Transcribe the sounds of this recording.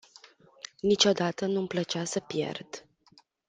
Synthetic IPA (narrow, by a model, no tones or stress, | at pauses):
nit͡ʃo̞d̪at̪ənumplət͡ʃasəpje̞̰rd̪̥